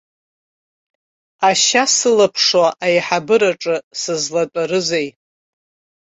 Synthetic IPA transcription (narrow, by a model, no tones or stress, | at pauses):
aʃasɨlapʰʂwaʔajħabɨɾaʈ͡ʂʼɨsɨzlatʼaɾɨzej